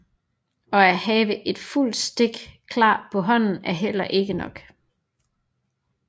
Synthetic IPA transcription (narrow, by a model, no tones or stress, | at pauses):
ɒ̽æhɛːʋəʔe̝d̥ful̰d̥sd̥e̝ɡ̥kʰlɑ̰̈ːpʰɒ̽ɦɒ̽n̰n̩æɐɦel̰ɐʔe̝ɡ̥ənɒ̽ɡ̥